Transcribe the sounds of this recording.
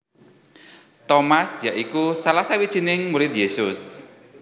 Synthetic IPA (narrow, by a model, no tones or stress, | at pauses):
t̪ɔmasjaʔikusalahsawid̥ʒ̥i̤nɪŋmuɾɪt̪̚jesʊs